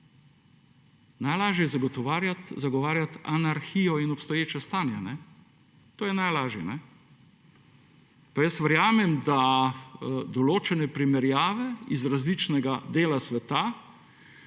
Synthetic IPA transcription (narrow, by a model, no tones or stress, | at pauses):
najlaːʒɛjɛzaɡɔt̪ɔʋaːɾjat̪zaɡɔʋaːɾjat̪anaɾxiːjɔinɔpst̪ɔjeːt͡ʃɛst̪aːnjɛnɛ | t̪oːjɛnajlaːʒjɛnɛ | pajəst̪ʋəɾjaːmɛmd̪a | d̪ɔloːt͡ʃɛnɛpɾimɛɾjaːʋɛizɾazlit͡ʃnɛɡad̪eːlasʋɛt̪a